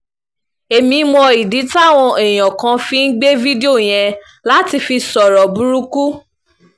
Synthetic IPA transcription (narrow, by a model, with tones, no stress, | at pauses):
e˨mĩ˧˦mɔ̃˧i˨di˨˦ta˦˨w̃ɔ̃˧ɛ˨j̃ɔ̃˨kã˧fi˧n̩˦ɡ͡be˦vi˦de˦o˦˨j̃ɛ̃˧ | la˦ti˧fi˧sɔ˨ɾɔ˨bu˨˦ɾu˦ku˦